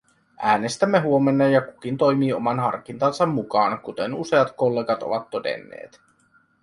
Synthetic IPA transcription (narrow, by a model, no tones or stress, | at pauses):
ʔæːne̞st̪æmːe̞ɦuo̞menːɑjɑkuk̟int̪o̞jmiːo̞̰mɑnɦɑ̰rkint̪ɑnsɑmːukɑːnkut̪enuse̞ɑt̪ko̞lːeːɡɑt̪o̞̰ʋɑt̪ːo̞de̞̰nːḛːt̪